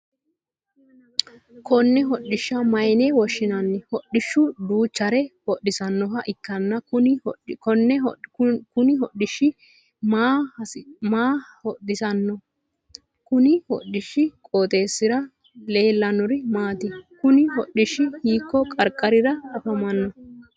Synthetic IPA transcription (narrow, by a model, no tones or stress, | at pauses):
kʰɔnːɛɦɔɗɪʃːɐmɐjnɛwɔʃːɪnɐnːɪhɔɗɪʃːʊd̪uːt͡ʃːɐɾɛhɔɗːɪsɐnːɔɦɐʔɪkːɐnːɐʊɔnːɛkʊnɪɦɔɗɪʃːɪ | ma | maː | ɔɗɪsɐnːɔ | kʊnɪhɔ̰ɗːɪʃɪkʼoːt̪ʼe̞ːsːɪɾɐ | le̞ːlːɐnʊɾɪmaːt̪ɪkʊnɪɦɔɗːɪʃːɪhiːkːɔkʼɐɾkʼːɐɾɪɾɐɐfɐmɐnːɔ